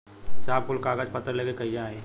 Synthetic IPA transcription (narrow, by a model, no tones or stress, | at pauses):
saːb̚kʊlkaːɡəd͡ʒpət̪ːəɾleːkekəijaɦeː